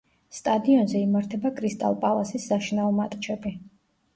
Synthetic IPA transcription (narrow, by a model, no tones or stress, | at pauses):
st̪ʼad̪iɔnzɛimaɾt̪ʰɛbakʼɾist̪ʼa̰lˠpʼalˠasisːaʃinaɔmat̪ʼt͡ʃʰɛbi